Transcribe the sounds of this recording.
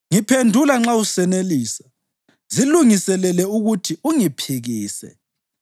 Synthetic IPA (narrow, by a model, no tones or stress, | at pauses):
ŋipʰendʱulaŋ͡ǁausɛneliːsa | ziluŋisɛlɛlɛuɣutʰiuŋipʰiɣiːsɛ̰